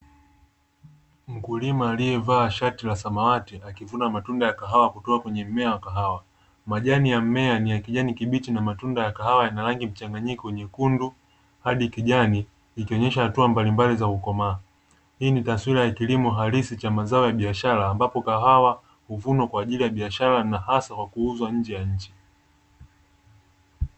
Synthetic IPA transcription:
m̩kulimaːlijɛvaːʃatilasamawatiʔakivunamatundajakaɦawakutɔakwɛɲɛm̩mɛawakaɦawa | maʄanijam̩mɛanijakiʄanikiɓitinamatundajakaɦawajanaɾaŋɡim̩t͡ʃaŋɡaɲikɔwɛɲɛkundu | haɗikiʄaniː | kiɔɲɛʃahatuambalimbalizakukɔmaː | hiːnitaswiɾajakilimɔɦalisit͡ʃamazaɔjaɓiaʃaɾaːmbapɔkaɦawa | huvunɔkwaːʄilijaɓiaʃaɾanahasakwakuuzwaɲ̩d͡ʒɛjaɲ̩t͡ʃi̥

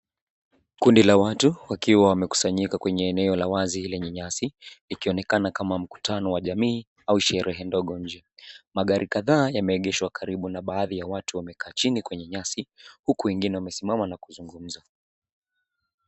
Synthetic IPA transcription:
kundilawatuwakiwawamɛku̥saɲikakwɛɲɛːnɛɔlawazilɛɲɛɲasiikiɔnɛkanakamam̩ku̥tʰanɔwaʄamiː | auʃɛɾʔɛɦɛndɔɠɔɲ̩d͡ʒɛmaɠaɾʔikaðaːjamɛːɠɛʃwakʰaɾiɓunaɓaːðijawatuwamɛkʰaːt͡ʃinikwɛɲɛɲasihukuwɛŋɡinɛwamɛsimamanakuzuŋɡum̩za

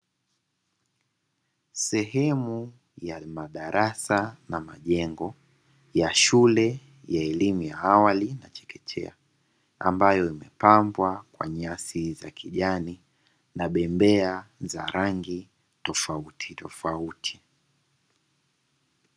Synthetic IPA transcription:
sɛɦɛmu | jamaɗaɾʔasanama̰ʄɛŋɡɔ | jaʃulɛ | jaɛlimujaawalinat͡ʃɛ̥kɛtʰɛ̰a | a̰mbajɔimɛpambwakwa̰ɲɛasizakʰiʄani | naɓɛmbɛaza̰ɾʔaŋɡi | tɔfautʰitɔfautʰi̥

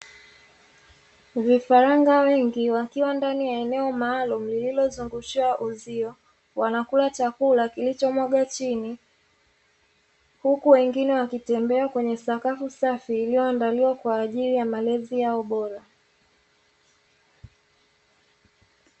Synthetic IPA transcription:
vifaɾaŋɡawɛŋɡiwakiwandanijaɛnɛɔmaːlum̩lililɔzuŋɡuʃiwaʔuziɔ | wanakulat͡ʃakulakilit͡ʃɔmwɔɠat͡ʃini | hukuwɛŋɡinɛwakitɛmbɛakwɛɲɛsakafusafiːlijɔandaliwakwaːʄiɾijamalɛzijaɔɓɔɾa

